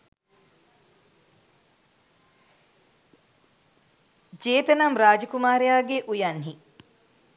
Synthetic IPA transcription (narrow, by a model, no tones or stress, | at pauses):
d͡ʒeːt̪ənamɾaːd͡ʒəkumaːɾejaːɡeʔujanɦi